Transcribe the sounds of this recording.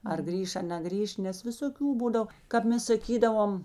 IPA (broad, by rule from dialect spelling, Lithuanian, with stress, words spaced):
ɐr ˈɡrʲiːʃ ɐ nʲɛˈɡrʲiːʃ ˈnʲɛs ʋʲɪsoːˈkʲuː ˈbuːdɐw kɐp ˈmʲɛs sɐˈkʲiːdɐʋoːm